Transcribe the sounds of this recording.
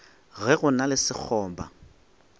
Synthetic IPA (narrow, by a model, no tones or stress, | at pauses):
ɣɛɣʊnalɪsɪk͡xʰɔːmba̰